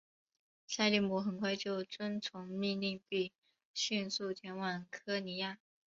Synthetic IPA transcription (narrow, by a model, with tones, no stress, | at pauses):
sa˥˧ɪli˥˩mu˧˥xə˨˩nkʰwa˥˧ɪt͡ɕjo˥˩ʊt͡swə˥nt͡sʰʊ˧˥ŋmi˥˧ŋli˥˧ŋpi˥˩ | ɕy˥˧nsu˥˩t̪ʰjɛ˧˥nwɑ˨˩ŋkʰɤ˥ni˧˥ja˥˩